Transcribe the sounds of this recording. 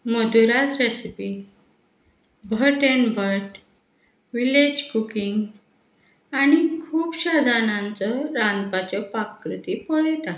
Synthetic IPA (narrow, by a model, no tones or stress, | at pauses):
məd̪uɾat̪ɾesipi | bʱəʈənbʱəɾʈ | ʋiled͡ʑkukiŋɡ | aɽ̃ikʰuːpɕad͡zʱanãnt͡səɾãnd̪pat͡ɕəpakːɾut̪iːpɔɭəjt̪a